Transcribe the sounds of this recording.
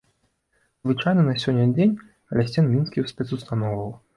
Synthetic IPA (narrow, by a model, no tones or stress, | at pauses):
zvɨt͡ʂajnɐnɐsʲɔnʲːɐd͡zʲenʲ | ɐlʲasʲtʲɛnmʲinskʲiwsʲpʲɛt̪sust̪anɔwvɐw